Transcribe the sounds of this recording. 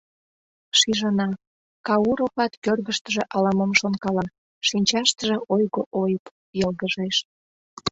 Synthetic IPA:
ʃiʒənɑ | kɑuɾopɑt̪kørɣəʃt̪əʒĕʔɑlɑməmʃonkɑlɑ | ʃinʲt͡ɕɑʃt̪əʒĕʔojɣoʔojəp | jəlɣəʒeʃ

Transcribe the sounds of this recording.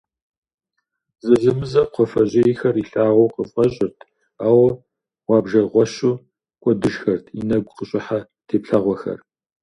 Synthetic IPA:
zɨzɨmɨzɐqʷʰɔfɐʑʼejxɐriɬaːʁʷowqəfɐɕʼɪrtʰ | aːwɐ | wɑːbʒɐʁʷɔɕuː | kʷʼɔdɨʒxɐrtʰḭnɐɡʷʊqəɕʼɪħa | tʰeːpɬɐʁʷɔxɐ̰r

